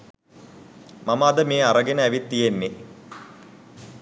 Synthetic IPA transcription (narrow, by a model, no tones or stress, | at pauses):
maməːd̪əmeːaɾəɡenəæʋit̪ːijenːe